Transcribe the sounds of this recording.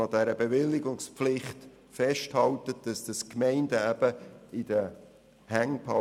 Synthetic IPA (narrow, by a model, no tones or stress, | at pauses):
ɑd̥ɛɾəbeʋɪlːɪɡʊŋspflɪχt | fɛʃthɑltət̚d̥ɑsd̥əskmɛɪndæb̥əɪd̥ə | hæŋpʰɑ